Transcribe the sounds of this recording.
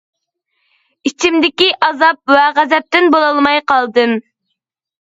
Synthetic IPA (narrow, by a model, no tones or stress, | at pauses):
it͡ʃʰimd̪ɪkʲiʔɑzɑp̚wɛʁæzɛp̚t̪ɪnbolˠɑlˠmɑjqɑlˠd̪ɨm